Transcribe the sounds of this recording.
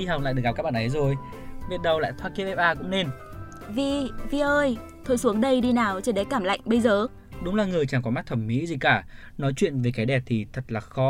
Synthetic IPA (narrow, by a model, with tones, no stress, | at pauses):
i˧ɦa˨˩w̚a̰ː˧˨jɨ˨˩k̚p̚kaː˦˥ɓaː˨ʔə˨˦jzo˨˩j | vi˨˩ət̚ɗə˨˩wla̰ː˧˨jt̪ʰwaː˧ki˧ʔɛ˧p̚ʔaː˧kʊ̰˧˥ŋ͡mne˧n | vi˧˨˩vi˨˩ʔəː˧j | t̪ʰo˧˩jsu˨˦əŋɗə˧jɗi˧naː˨˩wt͡ɕi˨˧˦ɗe˨˦jkaː˧˩mla̰˧˨jŋ̟ɓə˧jzəː˨˩ | ɗʊ˨˦ŋ͡mlaː˨˩ŋɨ˨˩əjt͡ɕaː˨˩ŋkɔ˨˦ma˦˥t̚t̪ʰə˧˩mːḭ˧˥zi˨˩kaː˧˩ | nɔ˨˦jt͡ɕwḭ˧˨ənve˨˩kaː˨˦jɗɛ˨˩p̚t̪ʰi˨˩t̪ʰə˨˩t̚laː˨˩xɔ˨˦